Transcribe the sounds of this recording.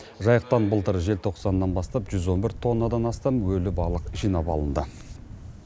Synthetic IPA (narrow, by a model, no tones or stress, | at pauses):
ʒɑjəq̚t̪ɑnbəlˠt̪əɾʒe̞lt̪ʰo̞qsɑnːɑnbɑst̪ɑpʒʏzwo̞nbɪɾt̪ʰo̞nːəd̪ɑnɑst̪ɑmwɵlɪbɑlˠəqʒijnɑpɑ̰lˠənd̪ə